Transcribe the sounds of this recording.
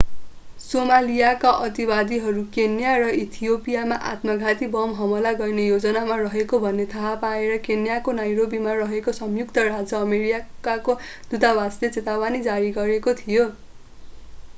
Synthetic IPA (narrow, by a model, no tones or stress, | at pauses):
somalijakaʔʌt̪ibad̪iɦʌɾukenjarʌit̪ʰijopijamaʔa̰t̪mʌɡʱat̪ibʌmɦʌmʌlaɡʌrnejod͡zʌnamarʌɦekobʱʌnːet̪ʰaɦapaeɾʌkenjakonajɾobimarʌɦekosʌmjukt̪ʌrad͡zʌːmeɾiakako | d̪̥ut̪awaslet͡set̪awanid͡zaɾiɡʌɾekot̪ʰijo